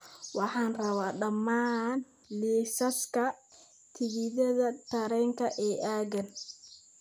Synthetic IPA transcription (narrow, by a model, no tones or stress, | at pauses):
wɑħɑːnrɐβaːɖɐmaːn | liːsɐskʰɐ | t̪ʰɪɣɪðɐðɐt̪ʰɐɾɛŋkʰɐʔɛːʔaːɡɐn